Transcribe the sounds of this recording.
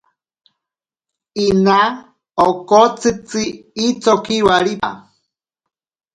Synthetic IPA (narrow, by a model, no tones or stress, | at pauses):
ina | okot͡sɨt͡sɨːt͡sokiwaɾia̰